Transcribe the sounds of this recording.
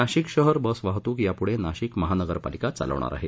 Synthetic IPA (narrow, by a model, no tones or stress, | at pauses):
aɕiːkɕəɦəɾbəsʋaɦt̪uːkjapuɽenaɕiːkməɦanəɡəɾpa̰likat͡sa̰lə̰ʋɳ̃a̰ɾʔa̰ɦe